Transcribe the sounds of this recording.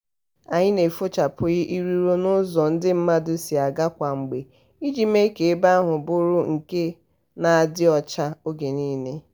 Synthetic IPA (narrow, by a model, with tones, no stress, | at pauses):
a˨ɲɪ˦ne˨fo˦t͡ʃa˨pʊ˦ɣɪ˦ʔi˦ɾu˦ɾo˦nʊ˦zɔ˨n̩˦dɪ˦m̩˦ma˦dʊ˦si˨a˨ɡa˦kʷa˨ŋ͡m̩˨ɡ͡be˨ | i˦d͡ʒi˨me˦ke˨e˦ba˦a˦ɦʊ˨bʊ˦ɾʊ˦ŋ̩˨ke˦ | na˨a˨dɪ˦ɔ˦t͡ʃa˦o˦ɡe˨niː˦ne˦